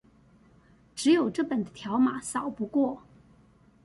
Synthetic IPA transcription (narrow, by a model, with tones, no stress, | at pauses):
ʈ͡ʂɻ̩˧˥jo˨˩ʊʈ͡ʂɤ˥˩pə˨˩nd̪ə˦t̪ʰjɑ˧˥ʊma˨˩˦sɑ˨˩ʊpu˧˥kwɔ˥˩